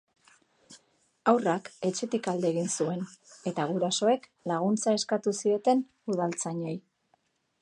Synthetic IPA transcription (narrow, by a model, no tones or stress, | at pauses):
awrake̞t͡ʃe̞t̪ikald̪eːɣinsue̞ne̞t̪aɣ̞uɾaso̞e̞klaɣ̞unt͡sae̞skat̪usie̞t̪e̞n | uð̞alt͡saɲo̞j